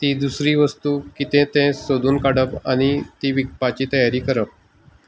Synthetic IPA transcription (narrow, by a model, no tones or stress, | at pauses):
t̪iːd̪usɾiːʋəst̪ukit̪ẽt̪ɛ̃sod̪uːnkaɽəpañit̪iːʋik̚pat͡ɕiːt̪əjaɾiːkəɾəp̚